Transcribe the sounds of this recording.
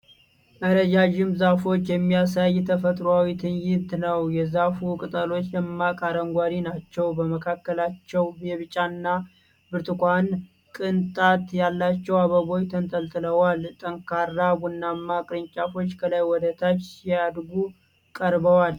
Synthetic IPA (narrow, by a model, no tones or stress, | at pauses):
ʔəɾəd͡ʒaʒɪmzafo̞t͡ʃːjɛmːijasajt̪ʰəfət̪ʼɾwawit̪ʰɨnjɪnt̪nəwjɛzafukʼɨt̪ʼəlo̞t͡ʃːjɛmːakʼaɾəŋɡʷaɾinat͡ʃːɛwbəməkʰakːəlat͡ʃːɛwbɛβɨt͡ʃʼanːa | bɨɾt̪ʰʼɨkʷan | kʼɨnt̪ʼat̪jalːat͡ʃːɛwaβəβo̞jt̪ʰənt̪ʼəlt̪ʼɨləwalt̪ʼəŋkʰarːabunːamːakʼɾɨɲt͡ʃʼafo̞t͡ʃːkʰəlajwɔd̪ət̪ʰat͡ʃːad̪ɡu | kʼəɾbəwal